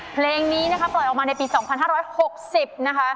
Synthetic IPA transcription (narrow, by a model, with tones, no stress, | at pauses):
pʰleː˧ŋniː˦˥na˦˥kʰa˦˥plɔ˨˩jʔɔ˨˩maː˧na˧jpiː˧sɔː˩˦ŋpʰa˧nɦaː˥˩ɾɔː˦˥jho˨˩k̚si˨˩p̚na˦˥kʰa˦˥